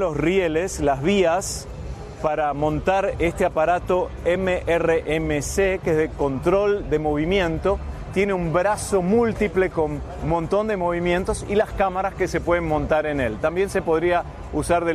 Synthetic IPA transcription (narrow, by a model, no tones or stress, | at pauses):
lo̞srjeleslazβ̞ias | paɾamõ̞nt̪aɾest̪eapaɾat̪o̞ | emeʔereʔemesekezðeko̞nt̪ɾo̞ld̪e̞mo̞βimjẽ̞nt̪o̞t̪je̞neumbɾaso̞mult̪iple̞ko̞n | mõnt̪o̞nd̪e̞mo̞β̞imjent̪o̞silaskamaɾaskese̞pweðenmõ̞nt̪aɾene̞lt̪ambje̞nse̞po̞ðɾia | usaɾðe